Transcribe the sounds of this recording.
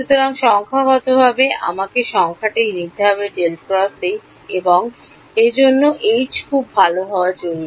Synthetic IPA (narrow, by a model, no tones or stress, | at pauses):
ʃut̪oɾaŋʃɔŋkʰaɡɔt̪obʱabea̰makeʃɔŋkʰaʈijnit̪ːeɦɔbeɖelpɾɔst̪ej | eboŋ | ed͡ʑonːoʔejd͡ʑkʰubːʱaloɦɔoaɾd͡ʑoɾi